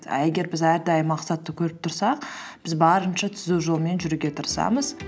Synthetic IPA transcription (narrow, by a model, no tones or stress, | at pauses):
d̪æɡʲe̞ɾbɪzæɾd̪ɑjmɑqsɑt̪ːəkʲʰɵɾɪp̚t̪ʰʊɾsɑq | b̥ɪzbɑɾənʃɑt̪ʰʏzuʒo̞lˠme̞nʒʏɾuɡʲe̞t̪ʰəɾsɑ̰məz